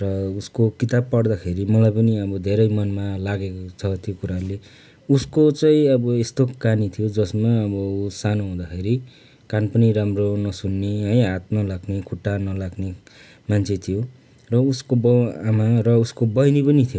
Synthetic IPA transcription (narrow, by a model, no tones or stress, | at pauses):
rʌuskokit̪ab̚pʌɽd̪akʰeɾimʌlajpʌniʌbʌd̪ʱeɾʌjmʌnmalaɡekot͡sʰʌt̪ʰjokuɾale | uskot͡sʌĩʌbʌest̪okanit̪ʰijod͡zʌsmaʌbʌusanoɦũd̪akʰeɾi | kanpʌniɾamronʌsunːeɦʌjɦat̪̚nʌlaɡnekʰuʈːanʌlaɡne | mant͡sʰet̪ʰijo | rʌuskobʌamarʌuskobʌjnipʌnit̪ʰijo